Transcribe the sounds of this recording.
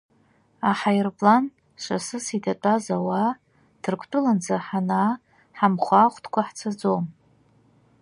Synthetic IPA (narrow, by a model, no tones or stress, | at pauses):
aħajrpʼlan | ʂasɨsidʰatʷʼazawa | d̥ʰɨrkʷʰʼtʼɨland͡zaħana | ħamχʷaːχʷtʰʼkʷʰaħt͡sʰad͡zom